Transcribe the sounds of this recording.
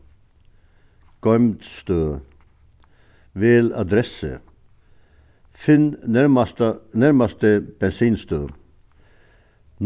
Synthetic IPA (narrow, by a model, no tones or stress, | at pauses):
ɡ̥ɔʏmd̪st̪øː | ʋeːlɑ̰d̪ɾɛsə̰ | fɪnt̪næɾmɑst̪əb̥ɛnsiːnst̪øː | n